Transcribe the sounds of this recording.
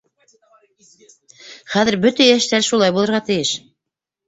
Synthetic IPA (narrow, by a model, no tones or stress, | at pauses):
χæðɘɾbɵt̪æjæʃt̪æɾʃulˠɑjbulˠɤ̆ɾʁɑt̪ɘ̆jɘʃ